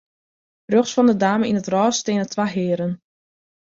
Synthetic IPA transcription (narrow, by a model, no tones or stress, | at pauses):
brøχsfɔndədaːməinətrɔːsteːnətʰʋaɦɪːɾən